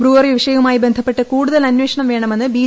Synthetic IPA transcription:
bruːʋɐriʋʋʂɐjumaːjibe̞nd̪ʱɐpːe̞ʈːɨkuːɽuðɐlɐnwe̞ːʂɐɳɐmʋe̞ːɳɐme̞nːɨbiː

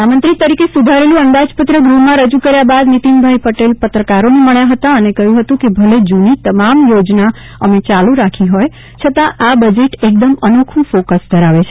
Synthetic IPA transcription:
amə̃nt̪ɾit̪əɾikesud̪ʱaɾelũənd̪ad͡ʒpət̪ɾəɡɾumːãɾəd͡ʒũkəɾjabad̪nit̪inbʱajpəʈelpət̪ɾəkaɾoneməɭjaɦət̪aənekəɦjũɦət̪ũkebʱəled͡ʒunit̪əmamjod͡ʒna | əmet͡ʃalũɾakʰiɦoj | t͡ʃʰət̪ãʔabəd͡ʒeʈek̚d̪əmənokʰũfokəsd̪ʱəɾaʋet͡ʃʰe

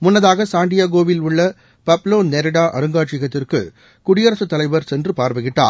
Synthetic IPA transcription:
mʊnːɐðaːɣɐsaːɳɖɪjaːɡoːʋɪlʊɭːɐ | pɐploːnnɛɾɪɽaːʔɐɾɯŋɡaːʈt͡ʃɪɣɐt̪ːɪrkɯ̰ | kʊɽɪjɐɾɐsɯt̪ːɐlɐɪʋɐɾsɛndrɯpaːɾʋɯɣɪʈːa̰ː

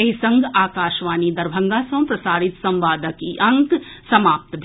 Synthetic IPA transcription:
ɐɦisɐ̃ŋɡʱaːkaːʃʋaːnid̪ɐɾbʱɐ̃ŋɡasɐ̃pɾɐsaːɾɪt̪sɐ̃mʋaːd̪əkiʔɐ̃ŋksɐmaːp̚t̪bʱ

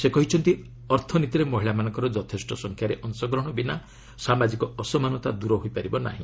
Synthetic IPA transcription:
sekɔɦit͡ʃʰɔnt̪i | ɔɾt̪ʰɔnit̪iɾemɔɦiɭamanɔ̃ŋkɔɾɔd͡ʒɔt̪ʰesʈɔsɔŋkʰjaɾeʔɔnsɔɡɾɔɽ̃ɔbina | samad͡ʒikɔɔsɔmanɔt̪ad̪uɾɔɦojpaɾibɔna̰ɦḭ̃

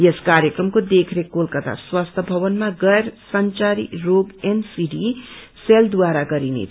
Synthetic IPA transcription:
jeskaɾjekrʌmkod̪ekʰɾekolkʌt̪a̰swast̪ʰʌbʱʌbʌnmaɡʌjɾsʌnt͡saɾḭroɡensiɖi | seld̪waɾaɡʌɾinḛ

